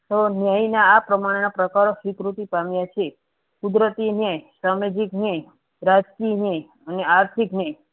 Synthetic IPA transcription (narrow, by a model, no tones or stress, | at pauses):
t̪onjajnaːpɾəmaɽ̃enapɾəkaɾosʋikɾut̪ipamjat͡ʃʰe | kud̪ɾət̪injajsamed͡ʒiknjaj | ɾad͡ʒkinjaj | əneaɾt̪ʰiknjaj